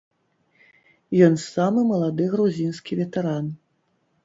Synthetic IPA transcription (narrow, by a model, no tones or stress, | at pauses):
jɔnsamɨmɐlˠad̪ɨɣɾuzʲinskʲivʲɛt̪ɛɾan